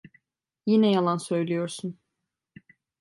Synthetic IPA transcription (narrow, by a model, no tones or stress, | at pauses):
jinɛjalˠansø̞jlʲijo̞ɾsun